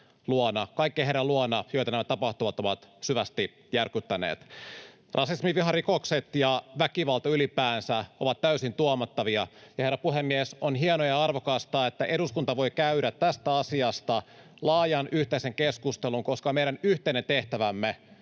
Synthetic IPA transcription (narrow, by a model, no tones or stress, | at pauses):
luonɑkɑikːeɦeɾɑluonɑjo̞jt̪ɑnæmæt̪ɑpɑht̪uʋɑt̪uoʋɑt̪syʋæst̪i | jærkyt̪ːænḛːt̪ | rʔɑsismiʋiɦɑrikokset̪jɑʋækiʋɑlt̪ɑylipæːnsæo̞̰ʋɑt̪tæysint̪uomɑt̪ːɑʋiɑjɑherːɑpuɦemːiesonɦienojɑɑrʋokɑst̪ɑːet̪ːæʔe̞ɾuskunt̪ɑʋo̞jkæyɾæt̪t̪ːæst̪æɑsiɑst̪ɑ | lɑːjɑnʔyht̪eise̞ŋkeskust̪eluŋko̞skɑmejɾænyht̪einent̪e̞ht̪æʋæmːe